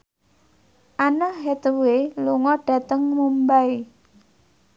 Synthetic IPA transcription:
ʔanɔɦɛt̪əweluŋɔɖ̥a̤t̪əŋmumbai

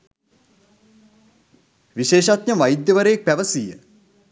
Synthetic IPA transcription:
ʋiʃeːʃat̪ɲəʋajid̪jəʋəɾəjek̚pæʋəsijə̰

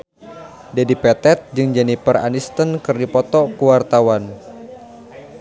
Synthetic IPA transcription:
dadipɛt̪ɛt̪̚d͡ʒɨŋd͡ʒɛnipəra̰nist̪ənkɨrdipɔt̪ɔkuwart̪awan

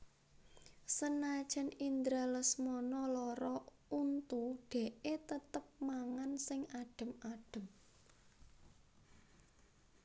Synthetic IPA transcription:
sənḁʒ̥ə̤nind̪ɾaləsmɔnɔlɔɾɔ | unt̪uɖ̪̥e̤ʔet̪ət̪əp̚maŋansɪŋaɖ̥ə̤maɖ̥ə̤m

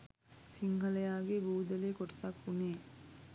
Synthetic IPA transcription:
siŋɦɐlɐjaːɡebuːd̪ɐleːkoʈɐ̥sakuneː

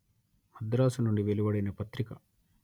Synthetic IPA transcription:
mɐd̪ɾaːsunoɳɖiʋeliʋɐɽenɐpɐt̪ɾikɐ

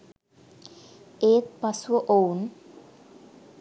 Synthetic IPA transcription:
eːt̪̚pɐsuʋəʔown

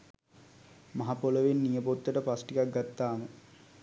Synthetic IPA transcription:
maɦapoləʋenːijəpot̪ːəʈəpasʈikak̚ɡat̪ːaːmə

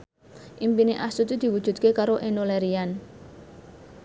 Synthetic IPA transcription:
ʔimpineʔast̪ut̪id̪̥i̤wud̥ʒ̥ṳd̪̚kekaɾoʔenolɛɾian

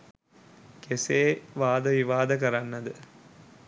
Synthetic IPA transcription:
keseːʋaːd̪əʋiʋaːd̪ək̬əɾanːɐd̪ə

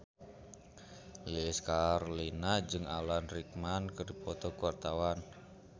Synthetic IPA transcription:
liskarlinad͡ʒɨŋalanrik̚mankərdipɔt̪ɔkuwart̪awan

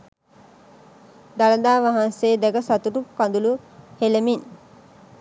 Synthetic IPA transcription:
d̪aləd̪aːʋaɦanseːd̪ɛɡəsat̪uʈukand̪uluhelemin

